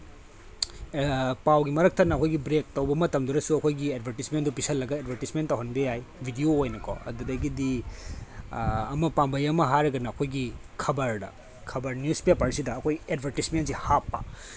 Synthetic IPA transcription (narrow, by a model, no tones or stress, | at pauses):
pawɡimɐɾɐk̚tʰɐnɐɐkʰojɡibɾek̚tɐwbɐmɐtɐmduɾɐsuɐkʰojɡiedbʱɐɾtismendupisɐlːɐɡɐedbʱɐɾtismentːɐwɦɐnbejajbʱidioːjnɐkʰɔ̰ɐ̰dudɐɡidi | ɐmɐpambɐjɐmɐɦaɾɐɡɐnɐːkʰojɡikʰɐbɐɾdɐ̰ | kʰɐbɐɾnjuspepaɾsidɐːkʰojedbʱɐɾtismentsihapːɐ̰